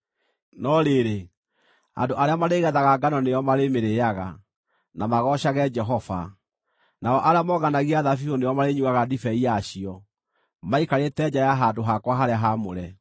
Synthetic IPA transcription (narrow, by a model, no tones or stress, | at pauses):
nɔɾeɾe | a̰ndoʔaɾeamaɾeɣɛðaɣaɡanɔnejɔmaɾemeɾejaɣa̰ | namaɣɔɕaɣɛd͡ʒɛɦɔfa̰ | naɔʔaɾeamɔɣanaɣiaðafihonejɔmaɾeɲuɣaɣadifɛiaɕiɔ | maikaɾetɛd͡ʑajaɦadoɦakwaɦaɾeaɦamoɾɛ